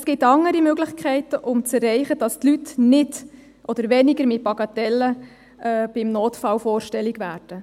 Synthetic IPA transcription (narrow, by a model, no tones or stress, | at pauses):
sɡ̥ɪtɑŋːəɾimøɡlɪχkʰɛɪtəʔʊmt͡sɛrːɛɪχəd̥ɑstlytnɪd | ʔɔd̥̪əɾʋɛnɪɡəɾmɪt̚bɑɡɑtɛlːə | ɛːb̥ɪmnoːtfɑlfɔːɾʃtɛlːiɡʋæːɾd̥ə